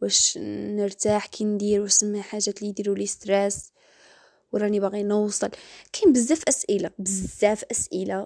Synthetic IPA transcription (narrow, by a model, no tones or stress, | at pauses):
bæʃnəɾt̪aħkʰind̪iɾwæsəmːhæħaʒːæt̪lid̪iɾulist̪ɾɛs | wɾˤɑnibaɣinəwsˤəlkʰænbəzːæfʔæsʔəlabəzːæfʔæsʔəla